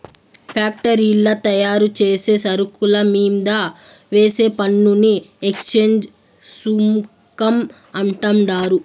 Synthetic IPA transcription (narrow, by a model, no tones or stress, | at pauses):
pʰaːk̚ʈɐɾilːɐt̪ɐjaːɾut͡ʃeːse̞ːsɐɾukulɐmiːmd̪aː | ʋeːse̞ːpɐɳːuniekst͡ʃeːɲd͡ʒ | sum | kɐm | ɐɳʈɐmɖaːɾu